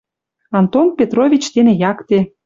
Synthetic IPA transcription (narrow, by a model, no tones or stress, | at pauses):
ɑnt̪onpʲet̪rovʲit͡ɕt̪enĕjɑkt̪e